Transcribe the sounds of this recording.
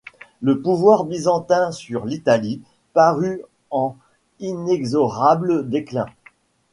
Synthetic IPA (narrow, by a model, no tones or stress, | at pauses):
ləpuvwaʁbizɑ̃t̪ɛ̃syʁlit̪ali | paʁy | ɑ̃ | inɛɡzɔʁabləd̪eklɛ̰̃